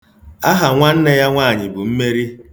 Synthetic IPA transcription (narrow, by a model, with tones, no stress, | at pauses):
a˦ɦa˨ŋʷa˦n̩˦ne˦ja˦ŋʷaː˦˨ɲɪ˨bu˨m̩˦me˦ɾi˦